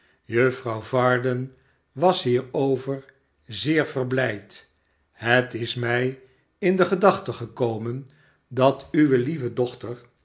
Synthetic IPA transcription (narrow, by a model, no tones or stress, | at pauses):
jøfrɑwvɑɹdən | ʋɑsɦiːɹowvəɹ | zɪːɹvərblɛjt | hətɪsmɛj | ɪndəχədɑχtəχəkowmən | dɑtyʋəlivədɔχtəɹ